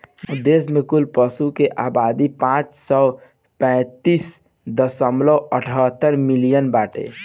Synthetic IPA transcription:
ud̪ːes̬mekulpəsukeʔabad̪ipãt͡ʃsɔ | pɛ̃ɪt̪is | d̪əsəmləəʈʰət̪ːəɾmilijənbaʈḛ

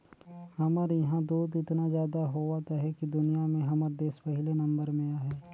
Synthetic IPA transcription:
hɐməɾjɐɦãd̪uːd̪ɪt̪nazjaːd̪aɦowaːt̪aɦɛkid̪ʊnijamẽɦɐməɾd̪eːspɐɦɪlenɐ̃mbəɾmẽaːɦɛː

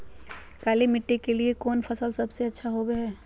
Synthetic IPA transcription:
kaːlimɪʈːekeliekɔːnfʰɐsəlsɐbseɐtːʃʰaɦoːbeɦɛː

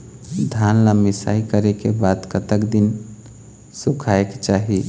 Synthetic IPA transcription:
d̪ʱaːnlamɪsa̰ːikəɾekebad̪kət̪əkd̪in | sukʰaekt͡ʃaːɦi

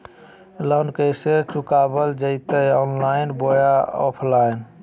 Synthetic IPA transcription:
lənkəjset͡ʃukabəld͡ʒəɪt̪əjɔnlaɪnbojaɔ̰pʰlajn

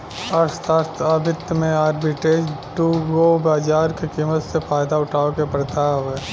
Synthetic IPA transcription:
əɾst̪ʰaɾt̪ʰəbʱɪt̪ːmẽaːɾbiʈeːd͡ʒʈuɡobaːd͡ʒaːɾkekiːmət̪sepʰaːjd̪aʊʈʰaːokepəɾt̪aɦoeː

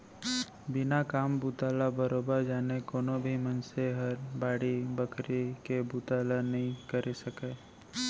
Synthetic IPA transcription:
bɪnakaːmbut̪aːlabəɾoːbəɾd͡ʒaːnekoːnobʱimənseɦɐɾbaːɽibəkɾekebuːt̪aːlanɐɦĩkəɾʔesɐkeː

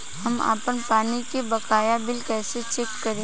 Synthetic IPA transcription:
hɐma̰ːpənpaːnikebɐkaːjabɪlkɛːset͡ʃekːɐɾẽː

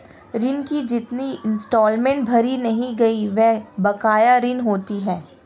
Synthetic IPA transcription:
ɾɪnkid͡ʒɪt̪niɪ̃nsʈɔːlmẽɳʈ̚bʱɐɾinɐɦĩɡɐiʋɛɦbɐkaːjaɾɪnɦoːt̪iɦɛː

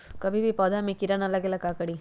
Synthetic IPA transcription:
kəbʱibʱipɔd̪ʱamikiɾanalaɡelakakəɽi

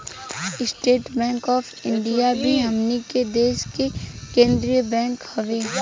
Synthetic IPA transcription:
ɪsʈeːʈbɛ̃ːŋkɔːfɪ̃ɳɖijabʱiɦɐmniked̪eːʃkekẽːnd̪ɾijəbɛ̃ːŋkhɐʋeː

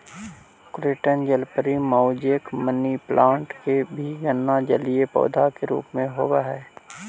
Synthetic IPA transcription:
kɾeːʈənd͡ʒəlpəɾimɔːd͡ʒekmənːiplʔãːɳʈkebʱiɡənːad͡ʒəliepɔ̰ːd̪ʱakeɾṵːpmẽɦoːbaɦɛː

